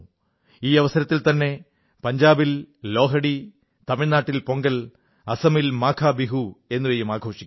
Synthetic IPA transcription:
iːɐʋɐsɐɾɐt̪ːilt̪ɐnːe̞ | pɐɲd͡ʑaːbillo̞ːɦɐɽi | t̪ɐmiɻnaːʈːilpo̞ŋɡɐl | ɐsɐmilmaːkʰaːbiɦue̞nːuʋejumaːɡʱo̞ːʂi̥kʲː

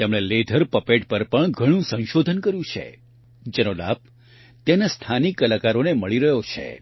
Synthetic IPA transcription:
t̪emɭeled̪ʱəɾpəpeʈ̚pəɾpəɳɡʱəɽ̃ũsə̃ñʃod̪ʱənkəɾjũt͡ʃʰḛ | d͡ʒenola̰b̚ | t̪enast̪ʰanikːəlakaɾoneməɭiɾəɦjot͡ʃʰḛ

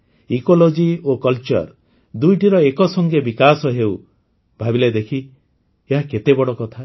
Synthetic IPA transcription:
ikolod͡ʒiokɔlt͡ʃɔ̰ɾ | d̪ujʈiɾɔekɔsɔŋɡebikasɔɦew | bʱabiled̪ekʰi | eɦaket̪ebɔɽɔkɔt̪ʰa

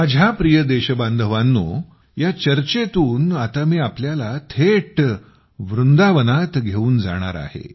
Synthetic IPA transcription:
məd͡ʑʱapɾijəd̪eɕəbãnd̪ʱəʋãnːu | jat͡ɕəɾt͡ɕet̪uːnat̪amiːapljalat̪ʰeʈ | ʋɾund̪aʋənat̪ɡʱeuːnd͡za̰ɽ̃a̰ɾa̰hḛ

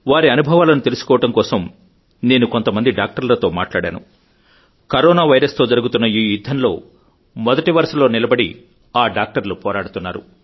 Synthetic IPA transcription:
ʋaːɾiɐnubʱɐʋaːlɐnut̪e̞lusu̥kɔːʋɐʈɐmkɔːsɐm | ne̞ːnuko̞nt̪ɐmɐnd̪iɖaːk̚ʈɐɾlɐt̪o̞ːmaːʈlaːɽa̰ːnṵ | kɐɾɔːnaːʋɐjɾɐst̪o̞ːd͡ʒɐɾuɡut̪unːɐiːjud̪ʱːɐnlo̞̰ː | mɔd̪ɐʈiʋɐɾʂɐlo̞ːnilɐbɐɽḭ | aːɖaːk̚ʈɐɾlupɔːɾaːɽut̪unːaːɾṵ

